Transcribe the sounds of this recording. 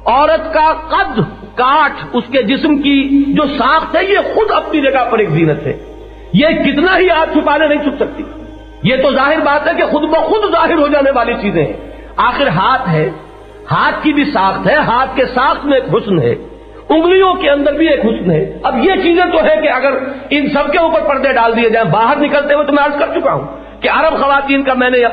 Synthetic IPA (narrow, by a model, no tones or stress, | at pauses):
ɔːɾət̪kaqɐd̪ | kaːʈʰʊsked͡ʒɪsmkid͡ʒoːsaːxt̪ɦɛjexʊd̪ɐpnid͡ʒɐɡaɦpɐɾeːkziːnət̪ɦɛ̰ː | jekɪt̪naɦiɦaːt̪̚t͡ʃʰʊpaːnenɐɦĩt͡ʃʰʊpsɐk̚t̪i̥ː | jet̪ozaːɦɪɾbaːt̪ɦɛkexʊd̪mẽxʊd̪zaːɦɪɾɦod͡ʒaːneʋaːlit͡ʃiːzẽɦɛ̰̃ | aːxɪɾɦaːt̪ɦɛː | haːt̪̚ʰkibʱisaːxt̪ɦɛːɦaːt̪̚ʰkesaːxt̪ʰmẽeːkɦʊsnɦɛ̰ː | ʊ̃ŋɡlijõkeɐ̃nd̪əɾbʱieːkɦʊsnɦɛːɐbjet͡ʃiːzẽt̪oɦɛkeɐɡəɾɪnsɐb̚keuːpəɾpɐɽd̪eɖaːld̪ied͡ʒaːẽbaːɦəɾnɪkəlt̪eɦet̪omɛ̃ɐɾzkɐɾt͡ʃʊkaɦṵ̃ː | keɐɾəbxɐʋaːt̪iːnkamɛ̃ːne